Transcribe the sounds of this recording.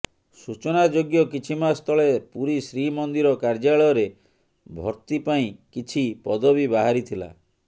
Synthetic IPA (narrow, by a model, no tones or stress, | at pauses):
sut͡ʃɔnad͡ʒoɡjɔkit͡ʃʰimast̪ʰɔɭepuɾisɾimɔnd̪iɾɔkaɾd͡ʒaɭɔjɔɾe | bʱɔɾt̪ipaĩkit͡ʃʰipɔd̪ɔbibaɦaɾit̪ʰila̰